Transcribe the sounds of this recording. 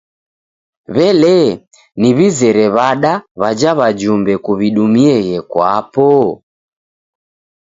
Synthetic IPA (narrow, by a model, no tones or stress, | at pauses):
βɛlɛ | niβizɛɾɛβaɗaβad͡ʒaβad͡ʒumbɛkuβiɗumiɛɣɛkwapɔ